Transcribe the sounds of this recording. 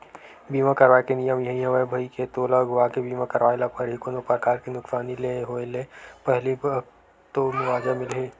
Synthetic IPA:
biːmãkɐɾʋaːekenijəmjɐɦĩɦɐ̃ʋaebʱɐiket̪oːlaɡʊʋakebiːmãkɐɾʋaːelapɐɾɦikonopɾəkaːɾkinʊksaːnileːɦoːeleːpɛɦli | t̪omʊʋaːd͡ʒamɪlɦeː

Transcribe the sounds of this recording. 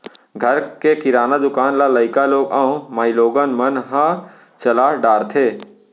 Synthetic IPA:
ɡʱəɾkekɪɾaːnad̪ʊkaːnlaləɪkaloːɡaːũmaːiloːɡənmənɦã | t͡ʃɐlaːɖaːɾt̪ʰeː

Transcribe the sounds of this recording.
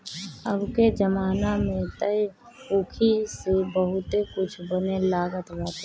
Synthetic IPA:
əbked͡ʒəmaːnamẽt̪əj | uːkʰisebəɦʊt̪ekʊt͡ʃʰbənelaːɡət̪d͡ʒaːt̪e

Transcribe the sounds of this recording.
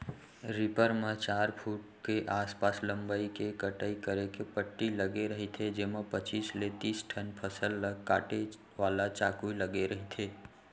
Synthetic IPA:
ɾɪpəɾmẽt͡ʃaːɾpʰuʈ̚ | keʔaːspaslə̃mbaikekəʈəikəɾekepəʈːiləɡeɾəɦit̪ʰed͡ʒemapət͡ʃiːslet̪iːsʈʰənpʰəsəlːəkaːʈe | ʋaːlat͡ʃaːkuiləɡeɾəɦit̪ʰeː

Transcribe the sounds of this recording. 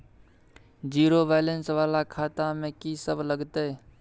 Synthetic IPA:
d͡ʒiːɾobaːlensʋaːlakʰaːt̪amẽkisəbləɡt̪eɦɛ

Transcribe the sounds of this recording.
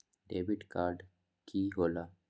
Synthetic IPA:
ɖeːʋiɖkaːɾɖ | kʰiɦola

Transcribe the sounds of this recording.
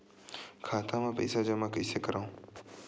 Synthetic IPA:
kʰaːt̪ʰãːmãːpə̰saːd͡ʒamakɪseːkəɾaũː

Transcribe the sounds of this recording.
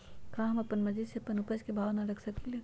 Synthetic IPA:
kãɦɐmɐpːənmɐd͡ʒid̪seɐpːənʊpəd͡ʒkebʱaːʋnaɾɐkʰsɐkile

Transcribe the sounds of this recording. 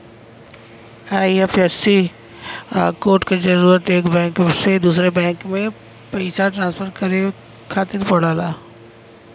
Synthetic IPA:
aːifɛsi | koːɾʈkezɐɾuːɾət̪eːkbɛ̃ːŋksed̪uːsɾebɛ̃ːŋkmẽ | pɐɪsaʈɾãːnspʰəɾkɐɾe | kʰaːt̪ɪɾpoɽaːlaː

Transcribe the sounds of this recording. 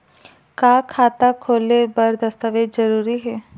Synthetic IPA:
kaːkʰaːt̪akʰoːlebɐɾd̪ɐst̪aʋezəɾuːɾiɦɛː

